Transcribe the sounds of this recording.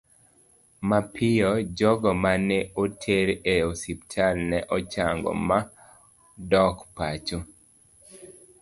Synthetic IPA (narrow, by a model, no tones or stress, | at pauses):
mapʰɪjɔd͡ʒɔɡɔmanɛotʰeɾeosiptʰalnɛʔɔt͡ʃaŋɡɔ̰ma | dɔkpat͡ʃo